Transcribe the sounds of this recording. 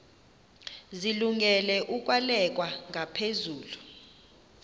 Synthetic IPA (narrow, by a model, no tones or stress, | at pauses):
ziluŋɡɛlɛʔuk̬ʼwalɛk̬ʼwaŋapʰezuːlu